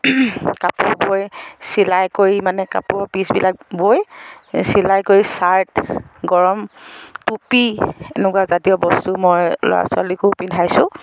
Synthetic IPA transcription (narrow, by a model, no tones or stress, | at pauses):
kapʊɹbojsilajkoɹimanɛka̰pʊɹpisbilak̚bojsilajkoɹisaɹtɡɔɹɔmtupienɛkuwazatiɔbɔstumɔjlɔ̰ɹa̰sʊa̰likupidʰʱajsʊ̃